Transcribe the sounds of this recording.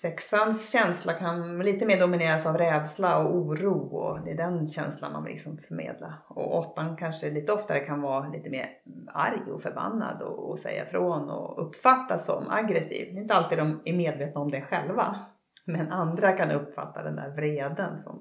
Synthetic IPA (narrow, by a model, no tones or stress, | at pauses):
sɛksansɕɛnslakʰanliːt̪əmeːɖʊmɪneːɾasavɾɛːd̪slaɔuːɾuːɔd̪ɛːɖɛnɕɛnslanma̰nvɪ̰lɪ̰ksɔmfœɾmḛːd̪laɔ̰ʔɔt̪ːankʰanʂəliːt̪əɔft̪aɾɛkʰanvɑːliːt̪əmḛːɾ | a̰ɾjɔfœɾba̰nːa̰d̪ɔɔsɛ̰jːa̰fɾoːnɔ̰ɵpːfat̪ːasɔ̰ma̰ɡɾɛsḭːvd̪ɛɪʏnt̪əalt̪iːd̪ɔmæɾmeːd̪veːt̪naɔmd̪ɛɧɛlva̰ | mɛnand̪ɾakʰanɵpːfa̰t̪ʰːad̪ɛnd̪æ̰ːɾvɾeːd̪ənsɔ̰m